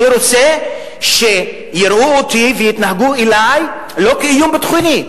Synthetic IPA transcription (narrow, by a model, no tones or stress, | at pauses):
iɾot͡se | ʃe̞ | jiɾʔuot̪ivejit̪naɦaɡuelaj | lo̞kiijumbet̪χuni